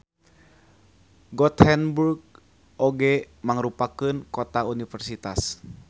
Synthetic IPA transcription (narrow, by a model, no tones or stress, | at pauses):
ɡɔt̪hɛnburɡ̚ | oɡɛ | maŋəɾupakɨnkot̪aunifərsit̪as